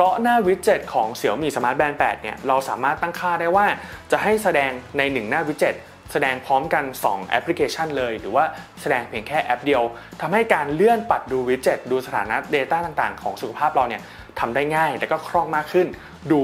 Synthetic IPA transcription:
pʰɾɔ˦˥naː˥˩wi˦˥t̪̚t͡ɕe˨˩t̪̚kʰɔː˩˦ŋsi˨˩˦əwmiː˧˩sa˧maː˦˥t̪̚bɛː˧npɛː˨˩t̪̚ni˥˩ɾa˧wsaː˩˦maː˥˩t̪ːa˥˩ŋkʰaː˥˩daː˥˩jwaː˥˩t͡ɕa˨˩ɦa˥˩jsa˧dɛː˧ŋna˧jnɯ˨˩ŋnaː˥˩wi˦t̪̚t͡ɕe˨˩t̪̚ | sa˧dɛː˧ŋpʰɔː˦˥mka˧nsɔ̰ː˩˦ŋʔɛ̰˦˥pʰli˦˥kʰeː˧t͡ɕʰa˥˩nlɤː˧jɾɯː˩˦waː˥˩sa˧dɛː˧ŋpʰi˧˩ənkʰɛː˥˩ʔɛ˦˥p̚di˧əwt̪ʰa˧mha˥˩jkaː˧nlɯ˥˩ənpa˨˩t̪̚duː˧wi˦˥t̪̚t͡ɕe˨˩t̪̚duː˧sa˧t̪ʰa̰ː˩˦na˦˥deː˧t̪aː˥˩t̪a˨˩ŋt̪aː˨˩ŋkʰɔː˩˦ŋsu˨˩kʰa˧pʰaː˥˩p̚ɾa˧wni˥˩ɐ | t̪ʰa˧mdaː˥˩jŋaː˥˩jlɛː˦˥kɔː˥˩kʰɾɔ˥˩ŋmaː˥˩kʰːɯ˥˩n | duː˧

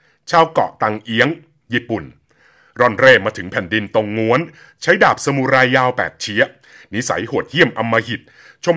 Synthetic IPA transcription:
t͡ɕʰaː˧wkɔ̰˨˩ʔt̪a˧ŋʔi˦˥əŋ | jiː˧˩pu˨˩n | ɾɔ˧˩nɾeː˧˩maː˧t̪ʰɯ˩˦ŋpʰɛ˨˩ndi˧nt̪o˧ŋːu˦˥ən | t͡ɕʰa˦˥jdaː˨˩p̚sa˧muː˧˩ɾaː˧jːaː˧wpɛ̰ː˨˩k̚t͡ɕʰi˦˥ɐ | ni˦˥sa̰˩˦jhoː˨˩ət̪̚hi˥˩əmʔa˧mːaː˧hi˨˩t̪̚ | t͡ɕʰo˧m

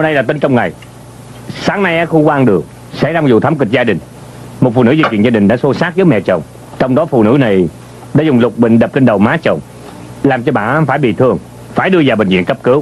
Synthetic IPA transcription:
o˧ɗa˧jlaː˨˩t̪i˧ŋ̟t͡ɕɔ˧wŋ͡mŋa˨˩j | saː˨˦ŋna˧jʔa˨˦˥xu˧kwaː˧ʔnɗɨ˨˩ək̚ | sɛ̰˧˥zaː˧ŋ͡mzʊ̰˨˩t̪ʰa˨˦mkï˨˩k̟̚zaː˧ɗï˨˩ŋ̟ | mo˨˩t̚fṵ˧˩nɨ̰˧˥zi˧˩t͡ɕwḭ˧˨nzaː˧ɗï˨˩ŋ̟ɗa̰˧˦so˨˦saː˦˥k̚zəː˨˦jmɛ̰˧˨t͡ɕə˨˩wŋ͡m | t͡ɕɔ˧wŋ͡mɗɔ˨˦fṵ˧˨nɨ̰˧˥na˨˩j | ɗaː˧˥zʊ˨˩ŋ͡mlʊ˨˩k͡p̚ɓï˧˨ŋ̟ɗə˨˩p̚t͡ɕe˧nɗə˨˩wmaː˨˦˥t͡ɕə˨˩wŋ͡m | laː˨˩mt͡ɕɔ˧ɓa̰ː˧˨ʔfaː˧˩jɓḭ˧˨t̪ʰɨ˧əŋ | faː˧˩jɗɨ˧əzaː˨˩ɓï˨˩ŋzwḭ˧˨nkə˦˥p̚kɨ˨˦w

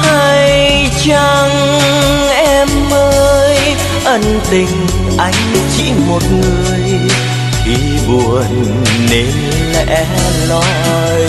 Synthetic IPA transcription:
ha˧jj | t͡ɕa˧ŋ | ʔɛ˧mʔəː˧j | ʔə˧˩nt̪ï˧˩ŋ̟ | ʔa˧˩jŋ̟t͡ɕḭ˧˥mo˨˩t̚ŋɨ˨˩əj | ti˨˩ | ɓu˨˩ənː | e˨˦n | ʔɛ˧˥ | lɔ˨˧˦ | j

